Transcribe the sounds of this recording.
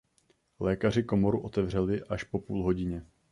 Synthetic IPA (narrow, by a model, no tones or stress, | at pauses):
lɛːkar̝ɪko̞mo̞ɾuʔo̞t̪ɛvr̝ɛlɪʔaʃpo̞puːlɦo̞ɟɪɲɛ